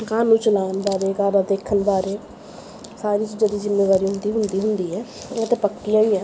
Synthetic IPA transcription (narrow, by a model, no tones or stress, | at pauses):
kaːnũːt͡ʃəlaːnbaːɾeːkaːbad̪eːkʰːənbaːɾeː | saːɾiːt͡ʃd͡ʒəd̪iːzɪmːeːʋaːɾiːɦʊ̃nd̪iːɦʊnd̪iːɦʊnd̪iːɦɛː | et̪eːpəkːiaːiːɛː